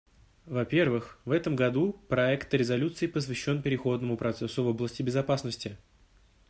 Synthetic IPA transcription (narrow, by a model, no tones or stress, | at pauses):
vɐpʲe̞rvɨxvɛt̪əmɡɐd̪upɾɐɛkt̪ɾʲɪzɐlʲut̪sɨɪpəs̬vʲɪɕːo̞npʲɪɾʲɪxo̞d̪nəmʊpɾɐt̪sɛsʊvo̞blˠəsʲtʲɪbʲɪzɐpasnəsʲtʲɪ